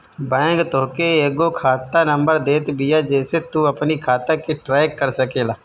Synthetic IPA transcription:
bɛ̃ːŋɡt̪oɦkeeːɡokʰaːt̪anəmbəɾd̪eːt̪bɪjaːd͡ʒɛːset̪uːəpnikʰaːt̪akeʈɾaːjkːəɾsəkeːlaː

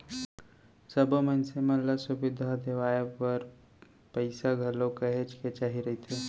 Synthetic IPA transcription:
səbmənsemɐlːasʊbɪd̪ʱad̪eʋaːjepəɾ | pəɪsaɡʱɐlõkɐɦet͡ʃket͡ʃaːɦiɾɐɦit̪ʰeː

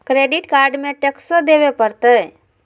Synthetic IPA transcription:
kɾeɖiʈkaɾɖmeʈeksəd̪ebepəɾt̪əj

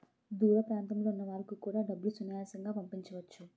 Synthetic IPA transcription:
d̪uːɾɐpɾaːnt̪ɐmlo̞ːunːɐʋaːɾɐkukuːɽaːɖɐbːulusunijaːsɐŋɡaːpɐmpiɲt͡ʃɐʋɐt͡ʃːu

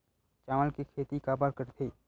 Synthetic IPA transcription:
t͡ʃaːməlkekʰeːt̪ikaːbaɾkəɾt̪ʰeː

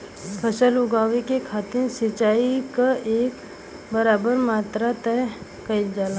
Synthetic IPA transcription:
pʰəsəlʊɡaːʋekekʰaːt̪ɪnsɪt͡ʃaːikaʔeːk | bɐɾaːbəɾmaːt̪ɾat̪ɛɦ | kɐɪld͡ʒaːla

